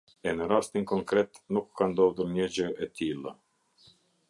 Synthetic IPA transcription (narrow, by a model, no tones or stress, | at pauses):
ɛnəɾast̪inkɔŋkɾɛt̪nukːand̪ɔvd̪uɾɲəd͡ʑəɛt̪ʰilˠə